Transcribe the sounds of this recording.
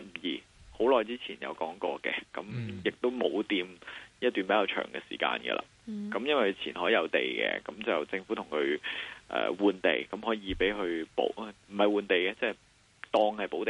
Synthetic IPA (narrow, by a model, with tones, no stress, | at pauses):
m̩˨˩jiː˨˩ho˨˥wlɔː˨jt͡siː˥t͡sʰiː˨˩njɐ̰˨˧wkɔː˨˥ŋkɔː˧kɛ̰˧kɐ̰˨˥mjɪ˨k̚t̪o˥wmo˨˥wt̪iː˧mjɐ˥t̚t̪y˨npe˨˦˥jaː˧wt͡ʃʰœ̰ː˨˩ŋɡɛ̰ː˧siː˨˩ka̰ː˧nɡɛ̰˧lʔa̰ː˨kɐ˨˥mjɐ˥nwɐ˨˩kʰːt͡sʰiː˨˩nɦɔː˨˥jɐ˨˧wt̪ḛ˨˩jkɛ̰˧kɐ˨˥mt͡sɐ˨wt͡sɪ˧ŋfu˨˥t̪ʰʊ˨˩ŋkʰɵ˨˧ɥʔɛ̰ː˨wuː˨nt̪e˨jkɐ˨˥mɦɔː˨˥jiː˨˧pe˨˥jkʰɵ˧ɥpo̰˨˥wm̩˨˩hɐ˨˩jwuː˨˧nt̪e˨jkɛ˧t͡sɛ˥˩j | t̪ɔː˧ŋhɐ˨jpo˨˥wt̪e˨